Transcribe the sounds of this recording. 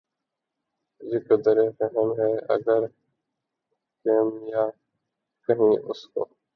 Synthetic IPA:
d͡ʒɪkəd̪əɾeːfəɦəmɦɛːʔə̰ɡəɾ | keːmjaː | kəɦĩːʔʊ̰sko̰ː

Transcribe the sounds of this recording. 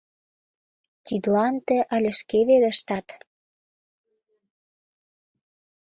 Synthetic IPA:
t̪id̪lɑnt̪ĕʔɑlʲĕʃkeβeɾə̆ʃt̪ɑt̪

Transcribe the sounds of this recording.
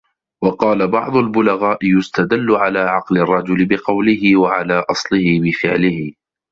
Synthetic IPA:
wɑqɑːlabɑʕd̪ˤʊlbʊlaɣaːʔɪjʊst̪ad̪alːʊʕalaːʕɑqlɪrˤːɑd͡ʒʊlɪbɪqɑwlɪɦɪwaʕalaːʔɑsˤlɪhɪbɪfɪʕlɪhɪ

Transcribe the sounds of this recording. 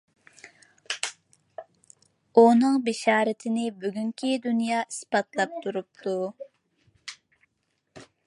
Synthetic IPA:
unɨŋbɪʃɑːɾɪt̪ʰɪnɪbyɡʲyŋkʲʰid̪unjɑːʔispɑt̪lˠɑp̚t̪ʰuɾup̚t̪ʰu

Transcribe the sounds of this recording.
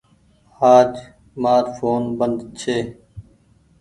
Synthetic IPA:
haːd͡ʒ | maːɾfʰoːnbənd̪t͡ʃʰeː

